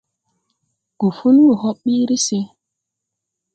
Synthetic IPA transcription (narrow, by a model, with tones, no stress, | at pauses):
ku˨fu˦n˦wu˨hɔ˦ɓːi˦ɾi˦se˦